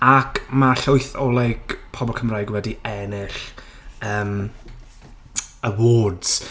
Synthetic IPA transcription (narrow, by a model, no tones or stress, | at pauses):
akʰmaɬojθɔlˠɛɡ̥pʰɔbɔlˠkʰəmrajɡwɛdiɛnɪɬ | əːm | əwɔːdz̥